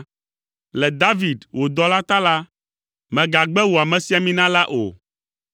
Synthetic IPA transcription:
lɛ˨d̪a˦vi˨d̪wo˨d̪ɔ˦la˦t̪a˦la˦ | mɛ̃˨ɡa˨ɡ͡bɛ˦wo˨a˨mɛ̃˨si˦a˨mĩ˦nã˦la˦ʔo̰˨

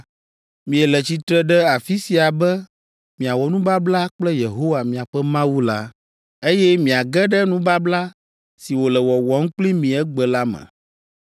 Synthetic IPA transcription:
mĩ˨ɛ˨lɛ˨t͡ɕi˨t̪ɾɛ˦ɖɛ˦a˨fi˦si˨a˨bɛ˦ | mĩ˨a˨wɔ˨nũ˦ba˦bla˦k͡plɛ˦je˨ɦo˦wa˨mĩ˨a˨ɸɛ˦mã˦wu˦la˦ | e˦jɛ˦mĩ˨a˨ɡɛ˦ɖɛ˦nũ˦ba˦bla˦ | si˨wo˨lɛ˨wɔ˨wɔ˨ŋ̩˦k͡pli˦mĩ˨ɛ˦ɡ͡bɛ˨la˦mɛ̰̃˨

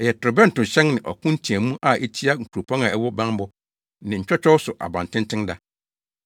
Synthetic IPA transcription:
ɛ˨jɛ˨tʊ˨ɾʊ˨bɛ˦n̩˨tʊ̃˨ɕɛ̃˦ŋnɪ̃˨ʔɔ̰˨kʰʊ̃˦n̩˦tʰĩ˨æ˨mũ˦ʔa˨ʔe˦t͡ɕʰi˦a˦ŋ̩˨kʰu˨ɾo˨pʰɔ̃˦na˨ɛ˦wɔ˦bã˦n˦bɔ˦ | nɪ̃˨ɲ̩˨t͡ɕᶣɔ˦t͡ɕᶣɔ˦wsʊ˨ʔa̰˨bã˨n˨tʰɪ̃˦n˦tʰɪ̃˦nda˨˦

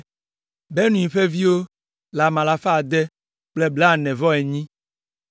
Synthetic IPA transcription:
be˦nũ˨ĩ˨ɸe˦vi˦wo˦ | la˨mã˨la˨fa˦a˨d̪ɛ˦ | k͡plɛ˦blɛ˦a˨nɛ̃˨vɔ˦ɛ˨ɲĩ˦

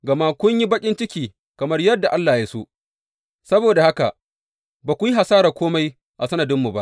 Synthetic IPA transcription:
ɡɐ˨ma˦kʷʊ˦ɲji˦bɐ˦kʲʼɪ˦nt͡ʃɪ˦kʲiː˨ | kɐ˨mɐ˦rjɐ˦dːa˨ʔa˦lːaː˨jaː˦so̰˦ | sɐ˦boː˨da˨ha˦ka̰˨ʔ | baː˨kʷu˨ji˦ɦa˨saː˦ɾa˨kʷoː˦ma˦j | ʔa̰˨sɐ˦nɐ˨dɪ˦mːu˨ba˦ʔ

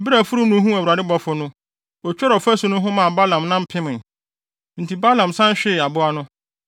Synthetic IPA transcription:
bɪ˦ɾa˨fʊ˦ɾu˦m˦nʊ̃˦ɦũ˦æ˨a˨dɪ˦bɔ˦fʊ˦nʊ̃˦ | ɔ˨t͡ɕᶣɔ˦ɾɔ˨fæ˦sʊ˨nʊ̃˦ɦʊ̃˦mã˨ba˦lã˨mnã˦m̩˦pʰɪ̃˦mɪ̃˨ | n̩˨tʰi˨ba˦lã˨msã˦ɕᶣɪ˦˨a˨bʊ˦a˦nʊ̃˦

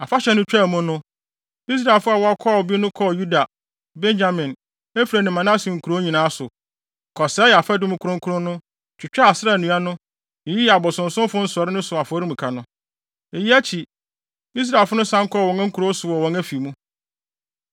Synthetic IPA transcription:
a˨fa˦ɕɛ˦nʊ̃˦t͡ɕᶣa˦˨mʊ̃˦nʊ̃˦ | i˦s̬ɾa˨lfʊ˦a˨wɔ˦a˦kʰɔ˦˨bi˦nʊ̃˦kʰɔ˦˨ju˦da˨ | bɛ̃˦nd͡ʑa˨mɪ̃˨n | e˦fiɾæ˨nɪ̃˨mã˨nã˦sĩ˨ŋ̩˨kʰu˨ɾo˦ɲĩ˨nãː˨˦sʊ˨ | kʰɔ˨sɛː˦jɛ˨a˨fɛ˦dʊ˦mũ˦kʰu˦ɾʊ̃˦ŋ˦kʰu˦ɾʊ̃˦nʊ̃˦ | t͡ɕʰᶣɪ˨t͡ɕᶣa˦a˨sɪ˦ɾa˦˨nũ˨˦a˦nʊ̃˦˨ | ji˦˨a˨bɔ˨sʊ̃˨n̩˨sʊ̃˦m˦fʊ̃˦n̩˦sɔ˨ɾɪ˦nʊ̃˦sʊ˨a˨fɔ˨˦ɾi˦mũ˨kʰa˨nʊ̃˦ | e˨ji˦æ˦t͡ɕʰi˨ | i˦s̬ɾa˨lfʊ˦nʊ̃˦sã˦ŋ̩˦kʰɔ˦˨wɔ̃˨ŋã˦ŋ̩˦kʰu˨ɾo˦sʊ˨wɔ˨wɔ̃˨ŋæ˦fi˨mũ˦

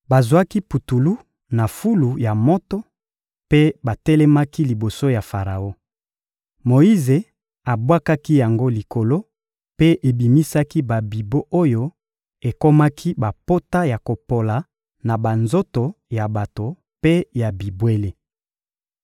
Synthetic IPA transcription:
ba˨zwa˦ki˦pu˨tu˨lu˦ | na˨fu˦lu˨ja˨mo˦tɔ˦ | pe˦ba˨tɛ˦lɛ˦ma˦ki˦li˨bo˨so˦ja˨fa˨ʁa˨o˦ | mo˨i˦ze˨ | a˨bwa˦ka˦ki˦ja˨ŋɡo˦li˨ko˨lo˦ | pe˦ʔe˨bi˨mi˦sa˦ki˦ba˨bi˨bo˦ʔo˦jo˦ | e˨ko˦ma˦kʰi˦ba˨po˦ta˦ja˨ko˨po˨la˨ | na˨ba˨nzo˦to˨ja˨ba˨to˨ | pe˦ja˨bi˨bwe˦le˦

